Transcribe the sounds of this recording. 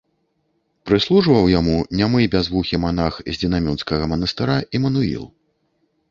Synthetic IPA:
pɾɨslˠuʐvɐwjamunʲamɨbʲazvuxʲimanaxzʲd͡zʲinamʲunskɐɣɐmɐnɐst̪ɨɾaʔimɐnuḭlˠ

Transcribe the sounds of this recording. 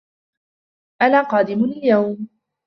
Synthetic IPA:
ʔanaːqɑːd̪ɪmɪljawm

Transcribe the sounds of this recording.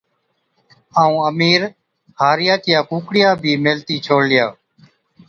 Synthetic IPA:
aːũːəmiːɾ | haːɾɪjaːk̪ɪjaːkũːkɽɪjaːbʱiːmeːlt̪iːt͡ʃʰoːɽlɪjaː

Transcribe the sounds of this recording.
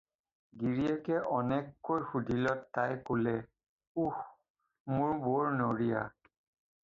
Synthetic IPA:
ɡiɹiɛkɛʔɔnɛkːojxudʱilɔtːajkolɛ | ux | mʊɹboɹnoɹija̰

